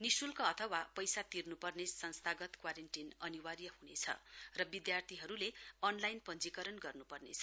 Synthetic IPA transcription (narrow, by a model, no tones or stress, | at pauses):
nisulkaʌt̪ʰʌwapʌjsat̪irnupʌrnesʌnst̪ʰaɡʌt̪kwaɾenʈinʌniwarjʌhunḛt͡sʰʌ̰rʌbid̪jart̪ʰiɦʌɾuleʌnlajnpʌnd͡zikʌɾʌnɡʌrnupʌrnḛt͡sʰʌ